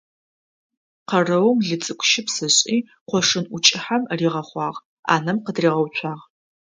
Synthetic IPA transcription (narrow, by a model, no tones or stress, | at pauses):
qɐrɐwmɮɨt͡sʼɨkʷʼʃɪpsɨɕʼiː | qʷɔʂɨnʊt͡ʃʼɪħamriːʁɐχʷɑːʁ | a̰ːnɐmqədriːʁɐwt͡ɕʷʰaːʁ